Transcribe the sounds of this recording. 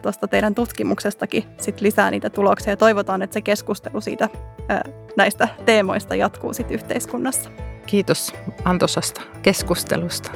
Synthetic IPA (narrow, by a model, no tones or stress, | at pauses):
t̪ost̪ɑt̪eiɾænt̪ut̪kimuksest̪ɑkisit̪lisæ̰ːnʔḭːt̪æt̪uloksiɑjɑt̪o̞iʋot̪ɑːnet̪sekeskust̪elusḭːt̪æ̰ː | næist̪æt̪e̞ːmo̞̰ist̪ɑ̰jɑt̪kṵːsit̪yht̪eiskunːɑsːɑ̥kiːt̪osɑnt̪osɑst̪ɑ̥keskust̪ḛlust̪ɑ̥